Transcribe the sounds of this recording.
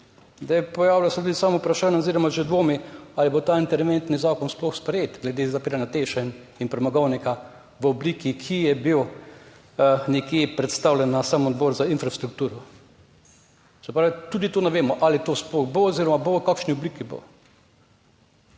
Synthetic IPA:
zd̪ɛjpɔjaːwlasɛt̪ud̪isaːmaupɾaʃaːnjɛoɔziɾɔmaʒɛd̪ʋoːmialibot̪aːint̪ɛɾʋent̪nizaːkɔnsplɔxspɾɛjeːt̪ɡlɛd̪eːzapiːɾanjat̪eːʃɛn | inpɾɛmaɡɔwnika | ʋəɔbliːkikʰijɛbiw | nɛkjeːpɾɛt̪st̪awlʲjɛnːasamɔd̪̚bɔɾzainfɾast̪ɾuk̚t̪uːɾɔ | sɛpɾaːʋit̪ud̪it̪oːnɛʋeːmɔʔalit̪oːsplɔxboɔziɾɔmabokakʃniɔbliːkibo̰

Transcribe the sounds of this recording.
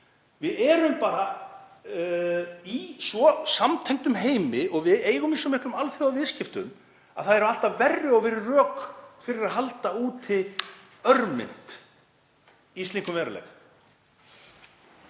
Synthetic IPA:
vɪðɛːɾʏmpaːɾa | isvɔsamt̪ʰɛjŋt̪ʏmɦeːjmɪʔɔɣvɪðeːjɣʏmisːɔmɪhklʏmalθɪðavɪscɪft̪ʏ̰m | a̰ðθaðɛɾʏmalt̪aðvɛrːɪɔɣvɪɾɪrœːkfɪɾɪɾaðɦalt̪auːt̪ʰɪ | œɾmɪ̰n̥t̪ | ist̪iŋkʏmvɛːɾalɛ̰ɣ

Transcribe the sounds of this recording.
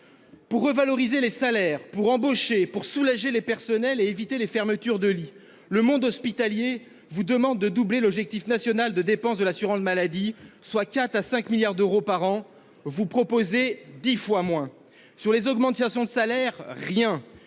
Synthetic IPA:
puʁːəvalɔʁizelesalɛʁpuʁɑ̃boʃepuʁsulaʒelepɛʁsɔnɛleevit̪elefɛʁmət̪yʁd̪əli | ləmɔ̃d̪ɔspit̪alje | vud̪əmɑ̃d̪̚ːəd̪ublelɔbʒɛk̚t̪ifnasjɔnald̪əd̪epɑ̃sd̪əlasyʁɑ̃t̪malad̪iswakat̪asɛ̃kmiljaʁd̪øʁopaʁɑ̃ | vupχɔpozed̪ifwamwɛ̃ | syʁlezɔɡmɑ̃t̪asjɔ̃d̪əsalɛʁːjɛ̃

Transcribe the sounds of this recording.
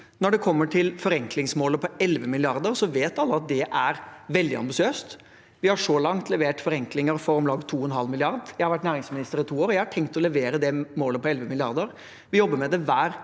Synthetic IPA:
nɔɖɛkʰɔmːəʈʰɪlfɔɾɛŋklɪŋsmoːləpʰɔɛlʋəmɪlɪɑɾd̪əɾsɔʋeːt̪ɑlːəɑt̪̚d̪ɛʔæɾʋɛld̪ɪɑ̰mbɪsɪøːst̪ | ʋɪhɑʂɔlɑŋt̪lɛʋeːʈfɔɾɛŋklɪŋəɾfɔɾɔmlɑːɡt̪ʰuːɛnɦɑlːmɪlɪɑɾd̪jæɪhɑɾʋæʈnæːɾɪŋsmɪnɪst̪əɾɪt̪ʰuːoːɾɔjæɪhɑʈʰɛŋkt̪ɔlɛʋeːɾəd̪ɛmoːləpɔɛlʋəmɪlɪɑ̰ɾd̪əɾ | ʋɪjɔbːəmɛd̪ɛʋæːɾ

